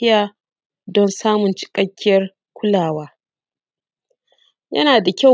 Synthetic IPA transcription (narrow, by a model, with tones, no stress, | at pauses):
ɪ˦jaː˨ | dɔ˦nsaː˦mʊ˨nt͡ʃɪ̥˨kʼɐ˦kʲːɪ˦jɐ˦r | kʷʊ˦laː˨waː˦ | jɐ̰˦naː˨da˨kʲa˦